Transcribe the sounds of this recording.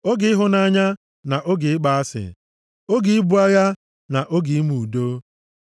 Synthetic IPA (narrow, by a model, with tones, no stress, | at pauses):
o˦ɡɪ˨˦ɪ˦ɦʊ˨na˨˦ɲa˦ | na˨ʔo˦ɡɪ˨ɪ˦k͡pa˨a˦sɪ̰˨ | o˦ɡɪ˨˦ɪ˦bu˦a˦ja˦ | na˨ʔo˦ɡɪ˨i˦mu˨do˦